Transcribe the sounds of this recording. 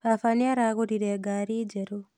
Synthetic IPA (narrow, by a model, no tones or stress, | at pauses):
βafaniaɾaɣoɾiɾeɡaɾiːd͡ʒeɾo